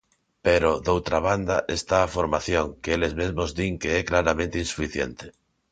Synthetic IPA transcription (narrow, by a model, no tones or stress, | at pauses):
peɾod̪owt̪ɾaβ̞and̪aʔest̪aːfoɾmaθjoŋkeelezmezmozd̪iŋkeɛklaɾamẽnt̪einsu̥fiθjḛnt̪e̥